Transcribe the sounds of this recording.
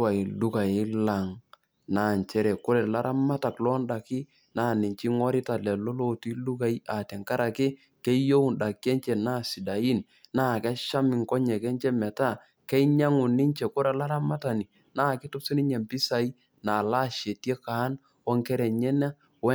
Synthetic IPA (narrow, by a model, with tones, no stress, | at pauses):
wa˨i˨du˦ka˨jɪ˦la˨ŋ | na˨nt͡ʃɛ˦ɾɛ˨kʊ˦ɾɛ˨la˦ɾʔa˦ma˦ta˨klɔ˦nda˨kɪ˦ | naː˦˨nɪ˨t͡ʃi˦ŋɔ˦ɾɪ˦ta˨lɛ˨lo˦lo˦ti˦lu˦ka˨i˦a˨tɛ˨ŋka˦ɾa˨kɪ˦ | kɛ˦jo˦u˨nda˨kɛ˦ɲt͡ʃɛ˨na˦˨si˨da˨ji˦n | naː˦˨ka˦ʃa˦mɪ˨ŋkɔ˦ɲɛ˨kɛ˦nt͡ʃɛ˦mɛ˨ta˦ | kɛ˦i˦ɲa˦ŋʊ˨nɪ˦ɲt͡ʃe˨kʊ˦ɾɛ˨la˦ɾa˦ma˦ta˨ni˨ | naː˦˨kɪ˦tʊ˦pse˦nɪ˦ɲɛ˨mpi˦sa˨i˦ | na˨la˦ʃe˨tje˦kaː˨˦n | ɔ˦ŋkɛ˦ɾɛ˨ɲɛ˦na˦ | wɛ˦